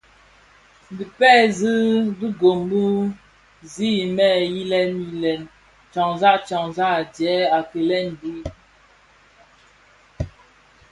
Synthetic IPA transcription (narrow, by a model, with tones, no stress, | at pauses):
n˨bi˨pɛ˦˨zɨ˦bi˦ɡo˨m˦bu˦ | zi˦˨mɛ˦˨ji˦lɛ˦ni˦lɛ˨n | t͡ʃɔ˨ŋza˦ʔt͡ʃɔ˨ŋza˦˨djɛ˨˦a˨kə˨lɛ˦˨n˨di˦